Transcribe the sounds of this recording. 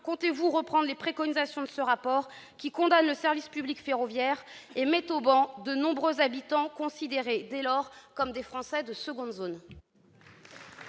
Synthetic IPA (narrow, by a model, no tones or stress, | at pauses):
kɔ̃t̪evuʁəpχɑ̃d̪ʁlepχekɔnizasjɔ̃d̪əsəʁapɔʁ | kʲikɔ̃d̪anləsɛʁvispyblikfeʁɔvjɛʁemɛt̪obɑ̃d̪ənɔ̃bʁøzabit̪ɑ̃kɔ̃sid̪eʁed̪ɛlɔʁkɔmd̪efχɑ̃sɛd̪əsəɡɔ̃d̪zon